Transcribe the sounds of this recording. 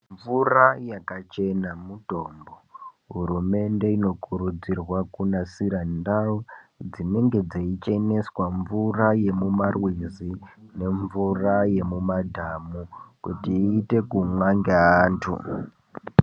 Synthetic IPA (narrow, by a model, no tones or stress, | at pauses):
ɱvurajakat͡ʃe̞namuto̞ːmbo | ɦuɾume̞nde̞ino̞kuɾud͡zirwakunasiɾandaud͡zine̞ŋɡe̞d͡zeit͡ʃene̞swaɱvuraje̞mumarwizine̞ɱvuraje̞mumadʱamukutiːte̞kumwaŋɡeaːntʰṵ